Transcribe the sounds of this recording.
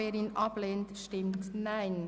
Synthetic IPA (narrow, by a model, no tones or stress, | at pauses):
eːɾinʔɑpleːntʃtɪmtnaɪn